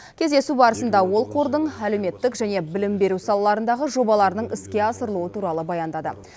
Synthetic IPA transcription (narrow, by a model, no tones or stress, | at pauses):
kʲʰe̞zd̪e̞subɑɾəsənd̪ɑwo̞lˠqʰo̞ɾd̪əɴæle̞wme̞t̪ːɪkʒæne̞bɪlɪmbe̞ɾusɑlˠɑlˠɑɾənd̪ɑʁəʒo̞bɑlˠɑɾnəɴɪskʲe̞ɑsəɾəlˠuwət̪ʰuɾɑlˠəbɑjɑnd̪ɑd̪ə̰